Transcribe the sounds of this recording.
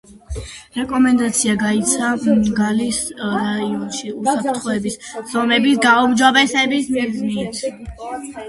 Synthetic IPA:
ɾɛkʼɔmɛnd̪at̪sʰiaɡait̪sʰaɡalisɾaiɔnʃiusap̚ʰɾt̪ʰχɔɛbisz̥ɔmɛbisɡaumd͡ʒɔbɛsɛbismiznit̪ʰ

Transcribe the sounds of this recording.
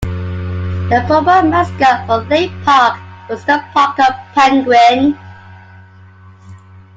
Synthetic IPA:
ðəfɔbəmaskəfəðəpʰɑˑkwɒzðəpʰɑˑkəv̥pʰãŋɡwɪn

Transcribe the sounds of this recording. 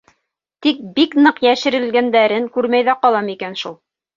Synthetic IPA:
t̪ik̚biknɤqjæʃɘ̆ɾɘ̆lɡænd̪æɾɘŋkʉɾmæjðæqɑlˠɑmikænʃulˠ

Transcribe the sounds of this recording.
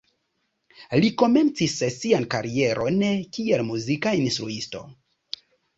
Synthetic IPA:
liko̞me̞nt͡sissiankaɾie̞ɾʔo̞nekielmuzikainstɾuisto̞̰

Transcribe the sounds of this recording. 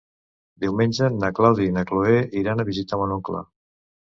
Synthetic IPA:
d̪iwmenʲd͡ʒənaklawðinakloeʔiɾanəβizit̪əmonuŋkla̰

